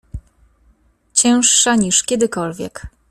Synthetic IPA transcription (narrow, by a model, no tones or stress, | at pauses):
t͡ɕɛ̃w̃ʂːaɲiʂkʲɛd̪ɘkɔlvʲjɛ̰k